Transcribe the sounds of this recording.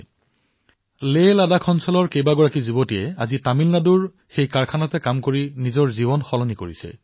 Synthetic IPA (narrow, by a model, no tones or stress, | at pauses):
leladakʰɔnsɔlɔɹkejbaɡɔɹakizubotijɛazitamilnaduɹ | xejkaɹkʰanatɛkamkoɹinizɔɹziβɔnxɔlɔnikoɹisɛ̰